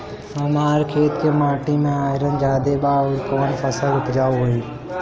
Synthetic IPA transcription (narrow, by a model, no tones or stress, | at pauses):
əmaːɾkʰeːt̪kemaːʈimẽaːɪɾənd͡ʒaːd̪ebaːʊɾkoːnpʰəsəlʊt̪d͡ʒaːuɦoiː